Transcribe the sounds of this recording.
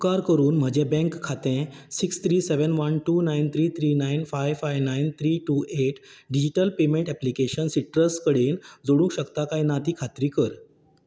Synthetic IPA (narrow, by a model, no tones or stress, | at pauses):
kaɾkəɾuːnm̤əd͡ʑẽbɛ̃ŋkʰːat̪ẽsikst̪ʰɾiːseʋənʋənʈunajnt̪ʰɾiːt̪ʰɾiːnajnfajʋfajʋnajnt̪ʰɾiːʈuːeʈɖid͡ʑiʈəlpemẽɳʈɛplikeɕənsiʈɾəskəɽeːnd͡zoɽ̃ũːkɕəkt̪akainat̪iːkʰat̪ɾiːkəɾ